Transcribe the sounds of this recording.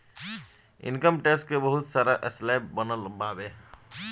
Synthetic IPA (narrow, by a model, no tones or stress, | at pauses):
ḭnkəmʈesʈkebəɦut̪saɾaʔeslabːənəlbabe